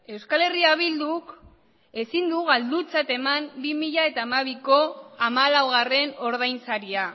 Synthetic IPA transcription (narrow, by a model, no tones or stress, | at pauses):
e̞wskale̞riaβ̞ild̪uk | e̞sind̪uɣ̞ald̪ut͡sat̪e̞mambimiʎae̞t̪aːmaβ̞iko̞amalawɣ̞are̞no̞ɾð̞ajnsaɾia